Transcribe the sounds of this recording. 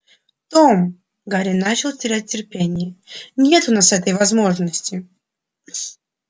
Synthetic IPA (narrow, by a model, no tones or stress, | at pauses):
t̪om | ɡaɾʲɪnːat͡ɕɪlˠʲtʲɪɾʲæt̚ʲtʲːɪrpʲenʲɪjənʲe̞t̪ʊnasɛt̪əjvɐzmo̞ʐnəsʲtʲɪ